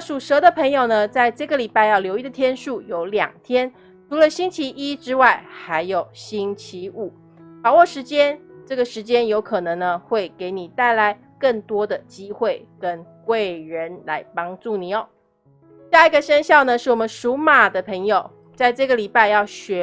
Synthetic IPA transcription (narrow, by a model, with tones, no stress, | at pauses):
ʂu˨˩ʂɤ˧˥d̪ə˨pʰɤ˧˥ŋjo˨˩ʊnə˩t͡sa˥˧ɪʈ͡ʂɤ˥˩ɡə˩li˨˩pa˥˧ɪjɑ˥˩ʊljo˧˥ʊi˥d̪ə˩t̪ʰjɛ˥nʂu˥˩jo˧˥ʊljɑ̰˨˩ŋt̪ʰjɛ˥n | ʈ͡ʂʰu˧˥lə˨ɕi˥ŋt͡ɕʰi˧˦ʔi˥ʈ͡ʂɻ̩˥wa˥˩ɪxa˧˥ɪjo˨˩ʊɕi˥ŋt͡ɕʰi˧˥u˨˩˦ | pa˨˩wɔ˥˩ʂɻ̩˧˥t͡ɕjɛ˥nʈ͡ʂɤ˥˩ɡə˩ʂɻ̩˧˥t͡ɕjɛ˥njo˧˥ʊkʰɤ˨˩nɤ˧˥ŋnə˧xwe˥˩ɪke˧˥ɪni˨˩t̪a˥˩ɪla˧˥˦ɪ | kə˥˩ŋt̪wɔ˥d̪ə˨t͡ɕi˦˥xwe˥˩ɪkə˦nkwe˥˩ɪɻə˧˦nla̰˧˥ɪpɑ˥ŋʈ͡ʂu˥˩ni˨˩o˨˦ | ɕja˥˩i˧˥ɡə˨ʂə˥nɕjɑ˥˩ʊnə˨ʂɻ̩˥˩wɔ˨˩mə˦nʂu˧˥ma˨˩d̪ə˦pʰə˧˥ŋjo˨ʊ | t͡sa˥˧ɪʈ͡ʂɤ˥˩ɡə˩li˨˩pa˥˧ɪjɑ˥˩ʊɕɥɛ˧˥